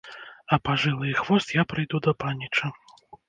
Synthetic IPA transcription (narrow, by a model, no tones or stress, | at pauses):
ɐpaʐɨlˠɨjxvɔst̪japɾɨjd̪ud̪ɐpanʲːit͡ʂɐ